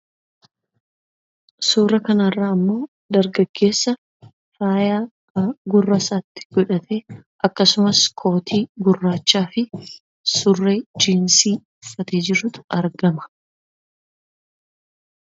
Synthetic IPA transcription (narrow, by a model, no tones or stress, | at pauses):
suːrɐkɐnɐrːaːɐmːoː | d̪ɐɾɡɐɡ̥ːe̞ːsːɐ | faːjaː | ɡʊrːɐsaːt̪ːɪ̥ɡ̥ɔᶑɐt̪e̞ːʔɐkːɐsʊmɐskʰo̞ːt̪ʰiːɡʊrːaːt͡ʃːaːfɪ | sʊrːeːd͡ʒiːnsiː | ʊfːɐt̪eːd͡ʒɪɾʊt̪ʊ̥ɐɾɡɐmɐ̥